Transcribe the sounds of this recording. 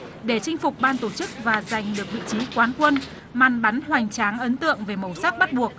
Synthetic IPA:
ɗe˧˩t͡ɕŋ̟fʊ˨˩k͡p̚ɓaː˧nt̪o˧˩t͡ɕɨ˦˥k̚vaː˨˩za˨˩jŋ̟ɗɨ˨˩ək̚vḭ˧˨t͡ɕi˨˦kwaː˨˦nkwə˧n | maː˨˩nɓa˨˦nhwa˨˩jŋ̟t͡ɕaː˨˦ŋʔə˨˦nt̪ɨ̰˧˨əŋve˨˩mə˨˩wsaː˦˥k̚ɓa˦˥t̚ɓu˨˩ək̚

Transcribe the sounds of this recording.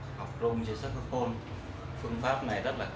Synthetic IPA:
ha˨˩wk͡p̚zʊ˧ŋ͡mt͡ɕi˧saː˦˥t̚hɨ˧˥ko˧n | fɨ˧əŋfaː˦˥p̚na˨˩jzə˦˥t̚laː˨˩

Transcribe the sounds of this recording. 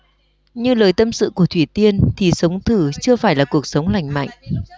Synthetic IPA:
ɲɨ˧ləː˨˩jt̪ə˧msɨ̰˧˨ku˧˩ət̪ʰwi˧˩t̪i˧ənt̪ʰi˨˩sə˨˦wŋ͡mt̪ʰɨ˧˩t͡ɕɨ˧əfaː˧˩jlaː˨˩ku˨˩ək̚sə˨˦wŋ͡mla̰˧˩jŋ̟ma̰˧˨jŋ̟

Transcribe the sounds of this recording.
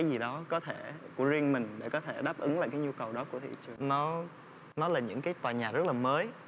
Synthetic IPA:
aː˨˦jzi˨˩ɗɔ˨˦kɔ˨˦t̪ʰe˧˩ku˧˩əzi˧ənmï˨˩ŋ̟ɗe˧˩kɔ˨˦t̪ʰe˧˩ɗaː˦˥p̚ʔɨ˨˦ŋla̰ː˧˨jkaː˨˦jɲu˧kə˨˩wɗɔ˨˦ku˧˩ət̪ḭ˧˨t͡ɕɨ˨˩ənɔ˨˦ | nɔ˨˦laː˨˩ɲɨ̰˧˥ŋkaː˨˦jt̪waː˨˩ɲaː˨˩zə˦˥laː˨˩məː˨˦j

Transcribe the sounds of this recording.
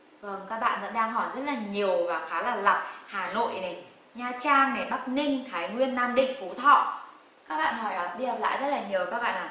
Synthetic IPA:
və˧˩ŋkaː˦˥k̚ɓa̰ː˧˨nvə̰˧˥nɗaː˧ŋɦɔ˧˩jzə˦˥t̚laː˨˩ɲi˨˩əwvaː˨˩xaː˨˦laː˨˩la˨˩p̚haː˨˧˩no̰˧˨jʔna˨˩j | ɲaː˧˩t͡ɕaː˧ŋmɛ˨˩ɓa˦˥k̚nï˧ŋ̟t̪ʰaː˨˦jŋwi˧ənːaː˧mɗḭ̈˧˨ŋ̟fu˧˨˦t̪ʰɔ̰˧˨ | kaː˦˥k̚ɓa̰ː˧˨nhɔ˧˩jʔɔ˨˩˦ɗi˧hə˨˩p̚la̰ː˧˨jzə˦˥t̚laː˨˩ɲi˨˩əwkaː˦˥k̚ɓa̰ː˧˨nʔaː˨˩

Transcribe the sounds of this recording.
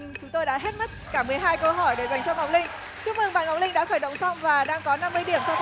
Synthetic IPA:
t͡ɕʊ˨˦ŋ͡mt̪o˧jɗa̰ː˧˥ɦe˦˥t̚m˦˥t̚kaː˧˩mɨ˨˩əjɦaː˧jkə˧ɦɔ˧˩jɗe˧˩za˨˩jŋ̟t͡ɕɔ˧ŋa˨˩wk͡p̚lï˧ŋ̟ | t͡ɕu˦˥k̚mɨ˧˩ŋɓaː˧˩nŋa˨˦w̚lï˧ŋ̟ɗa̰ː˧˥xəː˧˩jɗə̰˧˨wŋ͡msa˧wŋ͡mvaː˨˩ɗaː˧ŋkɔ˨˦na˧mːɨ˧əjɗi˧˩əmsa˧w

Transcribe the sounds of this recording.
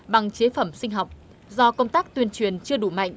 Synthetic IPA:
ɓa˨˩ŋt͡ɕe˨˦fə˧˩msï˧ŋ̟ɦa˨˩wk͡p̚ | zɔ˧kə˧wŋ͡mt̪aː˦˥k̚t̪wi˧ənt͡ɕwi˨˩ənt͡ɕɨ˧əɗu˧˩ma̰˧˨jŋ

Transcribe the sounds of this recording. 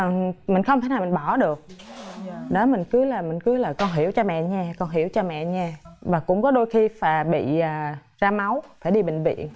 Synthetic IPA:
mï˨˩ŋ̟xə˧wŋ͡mt̪a˧˩˦naː˨˩mi˨˩ŋɓɔ˧˩ɗɨ˨˩ək̚ | ɗɔ˨˦mï˨˩ŋ̟kɨ˨˦laː˨˩mï˨˩ŋ̟kɨ˨˦laː˨˩kɔ˧nɦi˧˩əwt͡ɕɔ˧mɛ̰˧˨ɲaː˧kɔ˧nɦi˧˩əwt͡ɕɔ˧mɛ̰˧˨ɲaː˧vaː˨˩kʊ̰˧˥ŋ͡mkɔ˨˦ɗo˧jxi˧faː˨˩ɓḭ˧˨ʔaː˨˩zaː˧ma˨˦wfaː˧˩jɗi˧ɓï˧˨ŋ̟vḭ˧˨ən

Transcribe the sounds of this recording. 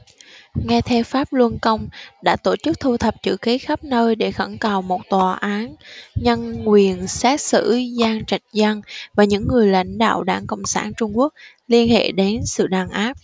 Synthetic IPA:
ŋɛ˧t̪ʰɛ˧wfaː˦˥p̚lwə˧nkə˧wŋ͡mɗa̰ː˧˥t̪o˧˩t͡ɕɨ˦˥k̚t̪ʰu˧t̪ʰə˨˩p̚t͡ɕɨ̰˧˩ki˨˦xa˦˥p̚nəː˧jɗe˧˩xə˧˩nkaː˨˩wmo˨˩t̚t̪waː˨˩ʔaː˨˦nɲə˧nːwi˨˩ənsaː˦˥t̚sɨ̰˧˥zaː˧ŋt͡ɕa˨˩jk̟̚za˧ŋvaː˨˩ɲɨ̰˧˥ŋːɨ˨˩əjla̰˧˥jŋ̟ɗa̰ː˧˨wɗaː˧˩ŋkə̰˧˨wŋ͡msaː˧˩nt͡ɕʊ˧ŋ͡mku˦˥ək̚ | li˧ənhḛ˧˨ɗe˨˦nsɨ̰˧˨ɗaː˨˩nʔaː˦˥p̚

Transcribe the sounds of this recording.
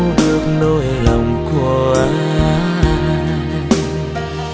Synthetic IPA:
ɗɨ˨˩ək̚no˧jla˨˩wŋ͡mku˧˩əʔaː˨˦aː˨˦

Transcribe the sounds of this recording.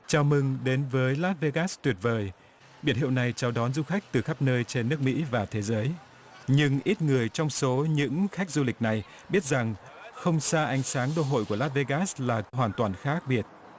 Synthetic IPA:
t͡ɕaː˨˧˦wmɨ˧ŋɗe˨˦nvəː˨˦jlaː˦˥t̚ve˧ɣaː˦˥st̪wi˨˩ət̚vəː˨˩j | ɓi˧˩nɦḭ˧˨əwna˨˩jt͡ɕa˧˩wɗɔ˨˦nzu˧xa˦˥k̚t̪ɨ˨˩xa˦˥p̚nəː˧jt͡ɕe˧nːɨ˦˥ək̚mḭ˧˥vaː˨˩t̪ʰe˨˦zəː˨˦j | ɲɨ˧ŋʔi˦˥t̚ŋɨ˨˩əjt͡ɕɔ˧wŋ͡mso˨˦ɲɨ̰˧˥ŋxa˦˥jk̟̚zu˧lï˨˩k̟̚na˨˩j | ɓi˦˥ət̚za˨˩ŋ | xə˧wŋ͡msaː˧ʔa˨˦jŋ̟saː˨˦ŋɗo˧ɦo̰˧˨jku˧˩əlaː˦˥t̚ve˧ɣaː˦˥slaː˨˩ɦwaː˨˩nt̪waː˨˩nxaː˦˥k̚ɓi˧˩ət̚

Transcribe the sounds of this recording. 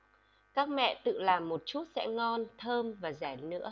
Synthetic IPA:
kaː˦˥k̚mɛ̰˧˨t̪ɨ̰˧˨laː˨˩mːo˨˩t̚t͡ɕu˦˥t̚sɛ̰˧˥ŋɔ˧nt̪ʰəː˧mvaː˨˩zaː˧˩jnɨ̰˧˥ə

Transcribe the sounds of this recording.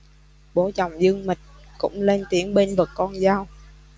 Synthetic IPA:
ɓo˨˦t͡ɕɔ˨˩wŋ͡mzɨ˧əŋmï˨˩k̟̚ | kʊ̰˧˥ŋ͡mle˧nt̪i˨˦əŋɓe˧nvə˨˩tkɔ˧nzaː˧w

